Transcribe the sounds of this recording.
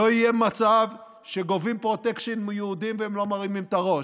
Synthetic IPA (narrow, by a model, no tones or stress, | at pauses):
oijemat͡sav | ʃeɡovimpʁot̪ekʃonmejuud̪imveemlo̞maʁimimt̪aʁo̞